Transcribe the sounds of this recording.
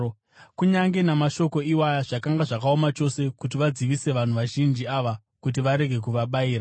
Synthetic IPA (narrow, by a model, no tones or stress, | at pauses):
kuɲaŋɡe̞namaʃo̞ko̞iwajaʐakaŋɡaʐakaomat͡ʃo̞se̞kutiʋad͡ziʋise̞ʋan̤uʋaʒind͡ʒiaʋa | kut̬iʋaɾe̞ɡʱe̞k̬uʋaɓaiːɾa